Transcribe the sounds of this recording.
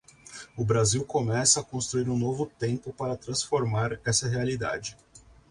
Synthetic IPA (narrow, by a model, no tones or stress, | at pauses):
ʊbɾaziwkomɛsɐːkõst̪ɾuiɾũnovʊt̪ẽmpʊpaɾɐt̪ɾɐ̃sfoɾmaɾɛsɐɦealid̪a̰d͡ʒɪ